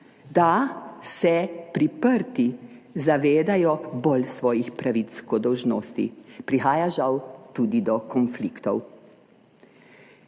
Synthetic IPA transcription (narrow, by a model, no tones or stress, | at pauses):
d̪asɛpɾipəɾt̪izaʋeːd̪ajɔbolsʋɔːjixpɾaʋit̪skɔd̪ːɔwʒnoːst̪ḭpɾixaːjaʒawt̪uːd̪id̪ɔkɔnfliːkt̪ɔw